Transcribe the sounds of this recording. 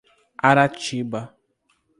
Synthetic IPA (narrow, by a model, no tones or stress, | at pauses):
aɾat͡ʃiba